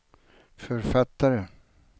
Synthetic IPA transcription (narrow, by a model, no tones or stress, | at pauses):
fœɾfat̪ːaɾə